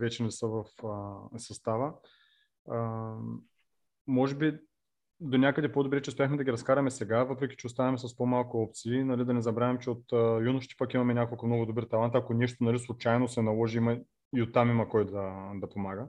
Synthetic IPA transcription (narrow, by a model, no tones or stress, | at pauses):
vɛt͡ʃɛnɛsəvɐfəsɐst̪avə | mɔʒɛbi | d̪onʲakəd̪ɛpod̪obɾɛt͡ʃɛʊspʲjaxmɛd̪ɐɡʲiɾɐskaɾɐmɛsɛɡavɤpɾɛkʲi̥t͡ʃɛost̪anɐmɛsɐspomalˠkʊɔp̚t̪siːnɐlid̪ɐnɛzɐbɾavʲɛmt͡ʃɛot̪əjunʊʃt̪i̥pɐkimɐmɛnʲakolˠkəfmnɔɡʊd̪obəɾt̪ɐlˠant̪ɐkonɛʃt̪onɐlislˠʊt͡ʃajnosɛnɐlˠɔʒiimɐ | iot̪ːamimɐkɔjd̪ɐd̪ɐpomaɡə